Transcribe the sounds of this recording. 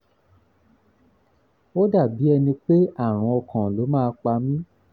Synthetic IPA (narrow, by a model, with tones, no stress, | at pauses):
o˦da˦˨bi˨˦ɛ˧nĩ˧k͡pe˦a˦˨ɾ̃ɔ̃˧ɔ˧kʰã˨lo˨˦mãː˦˧k͡pa˧mĩ˦